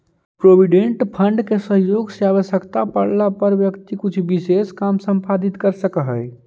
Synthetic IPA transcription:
pɾobiɖẽɳʈpʰəɳɖkesəɦjoɡseaβəsjəkt̪apəɽlapəɾʋjəkt̪ikut͡ʃʰbiseskamsə̃mpad̪it̪kəɾsəkəɦəj

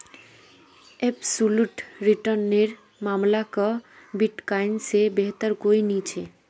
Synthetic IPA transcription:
ebsuluʈɾiʈəɾneɾ | maːmlakəbiʈkaɪnsebeɦt̪əɾkoinit͡ʃʰe

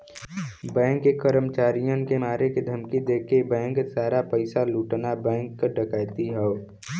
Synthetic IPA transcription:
bɛ̃ːŋkːekəɾəmt͡ʃaːɾijə̃nkemaːɾeked̪ʱəmkid̪eːkebɛ̃ːŋksaːɾapəɪsaluːʈnabɛ̃ːŋkːəɖəkaːjt̪iɦɛo

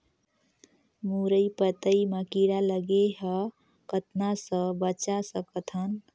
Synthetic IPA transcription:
muɾəjpət̪əiməkiɽaləɡeɦə | kət̪nasə̃bət͡ʃasəkət̪ʰən

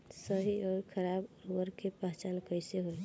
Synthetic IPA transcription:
səɦiɔːɾkʰəɾabɾuəɾkepaɦt͡ʃalkəjseɦoj

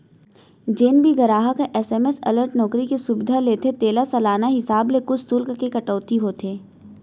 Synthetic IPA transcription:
d͡ʒeːnbʱiɡɐɾaːɦakeʔɛːsɛːmesɐ̰ləɾʈnɔːkɾikesʊbɪd̪ʱaleːt̪ʰet̪eːlasɐlaːnaɦɪsaːblekʊt͡ʃʰt̪uːlkkekɐʈɔːt̪iɦoːt̪ʰeː

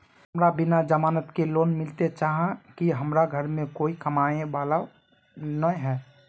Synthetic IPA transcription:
ɦmɾabɪnad͡ʒəmaːnət̪keloːnmɪlt̪et͡ʃaːɦãkiɦəmɾaɡʱəɾmẽkoːikəmaːeʋaːla | nəɦɛː

